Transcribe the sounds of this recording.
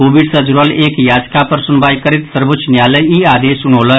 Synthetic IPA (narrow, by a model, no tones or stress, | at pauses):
obiɖsəd͡ʒuɾəleːkjaːd͡ʒkapəɾsunbaːjkəɾit̪səɾbot͡ʃnjaːləiaːd̪esuñoːlə